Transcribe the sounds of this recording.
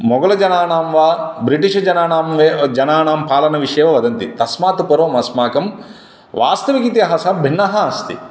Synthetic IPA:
mɔɡɐlɐd͡ʒɐnaːnaːmʋaːbɾiʈiʂɐd͡ʒɐnaːnaːmʋed͡ʒɐnaːnaːmpaːlɐnɐʋiʂɛːʋɐʋɐd̪ɐnt̪it̪ɐsmaːt̪upɐɾʋɐmɐsmaːkɐm | ʋa̰ːst̪ɐʋikit̪iɦɐsɐbʱinːɐɦɐɐst̪ḭ

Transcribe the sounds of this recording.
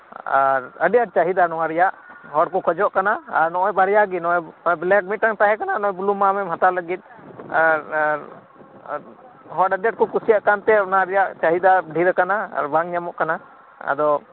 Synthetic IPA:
a̰ɾəɖɛjaʈ̚t͡ʃaɦid̪anɔwaɾɛjaʔɦɔɖkɔkʰɔd͡ʒɔʔkanaaɾnɔʔɔjbaɾɛjaɡinɔʔjnɔblɛk̚mit̪̚ːaŋt̪aɦɛkananɔɔ̃jbulumamɛmɦat̪aləɡit̪̚ˀaɾɾ | ɦɔɖəɖjaʈ̚kɔkusijaʔkant̪ɛnaɾɛjaʔt͡ʃaɦid̪aɖʱiɾɛkanaa̰ɾbaŋɲamɔʔkana | a̰d̪ɔ

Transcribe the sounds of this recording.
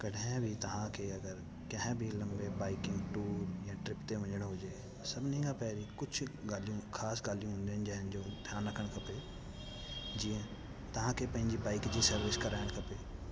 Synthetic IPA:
kɐɽɛ̃bʱit̪ɐɦãkeɐɡəɾ | kɐɦɛ̃bʱilɐ̃mbebaːɪkɪ̃ŋɡʈuːɾjãʈɾɪpt̪eʋɐ̃d͡ʒəɽ̃ɦoːd͡ʒeː | sɐbnəĩɡapɛːɾikʊt͡ʃʰɡaːlijõkʰaːsɡaːlijõɦʊ̃nd̪eɦd͡ʒəɦnd͡ʒoːd̪ʱjaːnɾɐkʰəɽ̃kɐpe | d͡ʒiːẽ | t̪ɐɦãkepə̃ɲd͡ʒibaːɪkd͡ʒisəɾʋɪskɐɾaɦɽ̃kɐpeː

